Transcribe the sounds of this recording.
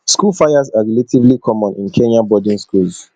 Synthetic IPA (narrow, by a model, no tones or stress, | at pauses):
skulfajazaɹiletʰivlikʰɔmɔ̃nĩnkʰɛ̃nãbɔdĩnskulz